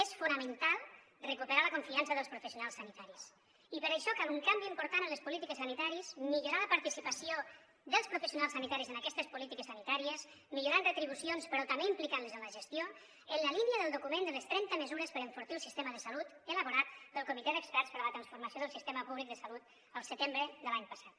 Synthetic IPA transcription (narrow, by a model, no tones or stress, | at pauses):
esfunəmənt̪alˠ | rəkupəɾaləkuɱfiansəðəlspɾufəsijunalˠsːanit̪aɾis | ipəɾaəʃɔkaluŋkambiimpuɾt̪anələspulit̪ikəsanit̪aɾizmiʎuɾaləpaɾt̪isipəsio | ðəlˠspɾufəsjunalsanit̪aɾizənəkɛst̪əspulit̪ikəsːanit̪aɾiəz | miʎuɾanrət̪ɾiβ̞usionspəɾɔt̪ambeimplikanləzənləʒəst̪jo | ənləliniəðəlˠd̪ukumẽnd̪ələst̪ɾɛnt̪əməzuɾəspəɾəɱfuɾt̪iəlˠsist̪eməðəsəlut̪ələβuɾat̪pəlˠkumit̪ɛðəkspɛɾspəɾələt̪ɾənsfuɾməsioðəlˠsist̪eməpuβlik̚d̪əsalut̪ | əlˠsət̪embɾəðəlaɲpəsat̪